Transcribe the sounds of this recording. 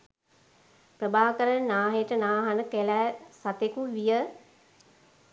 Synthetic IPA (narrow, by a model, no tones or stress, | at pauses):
prəbaːʋəkəɾənnaːɦeʈənaːɦanəkelæːsat̪ekuʋijə